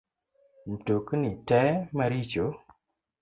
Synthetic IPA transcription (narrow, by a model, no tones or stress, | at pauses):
n̩toknitɛmaɾit͡ʃo